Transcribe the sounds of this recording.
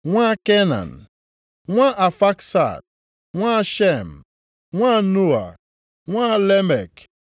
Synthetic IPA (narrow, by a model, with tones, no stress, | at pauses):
ŋʷa˦ke˦na̰˨n˨ | ŋʷa˦ʔa˨fa˦ksa̰˨d̚ | ŋʷa˦ʃe˦˨m˨ | ŋʷa˦nu˦a̰˨ | ŋʷa˦le˦mɛ̰˨k